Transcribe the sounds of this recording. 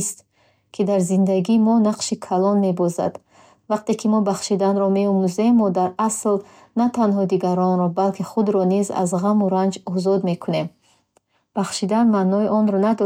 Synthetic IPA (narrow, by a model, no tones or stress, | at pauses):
st̪ | kʰid̪aɾzind̪aɡiːmɔnaqʃikʰalɔnme̞bɔza̰d̪ | vaq̚t̪e̞kʰimɔbaχʃid̪anɾɔme̞ɔmuze̞mːɔd̪aɾasl | nat̪ʰanɦɔd̪iɡaɾɔnɾɔbalkʰiχud̪ɾɔniza̰zʁamuɾand͡ʒɔzɔd̪me̞kʰune̞m | b̥aχʃid̪anmanːɔiʔɔnɾɔnad̪ɔ